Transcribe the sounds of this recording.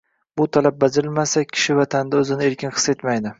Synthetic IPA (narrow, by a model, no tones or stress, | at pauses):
bʊt̪ʰalap̚bad͡ʒɪɾɪlmasakʲʰɪ̥ʃɪvat̪ʰand̪aɵzɪnɪe̞ɾkʲʰɪnχʰɨ̥se̞t̪majd̪ɪ